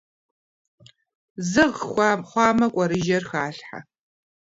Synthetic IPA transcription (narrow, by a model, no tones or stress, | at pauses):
zɨʁxʷχʷɑːmɐkʷʼɐɾɨʒɐrxaːɬħa̰